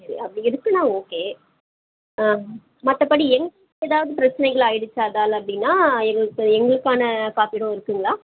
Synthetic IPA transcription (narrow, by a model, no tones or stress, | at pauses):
ɐɾḭʔɐpːɽiɪɾɯkːɯnãːoːkeː | mɐt̪ːɐpɐɽiɛŋɡɐɭ | eːðaːʋɐðɯpɪɾɐt͡ʃːɐnɐɪɣɐɭaːjɪɽɯt͡ʃːaːðaːlɐpːɐɽɪnːaːɛŋɡɐɭɯkːɯɛŋɡɐɭɯkːaːnɐkaːfiɽõːɪɾɯkːɯŋɡɐɭaː